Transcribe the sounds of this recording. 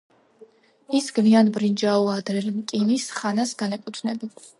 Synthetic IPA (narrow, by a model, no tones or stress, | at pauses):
isɡvianbɾind͡ʒauad̪ɾɛlmk̪ʼilisχanasɡanɛkʼut̪ʰnɛbi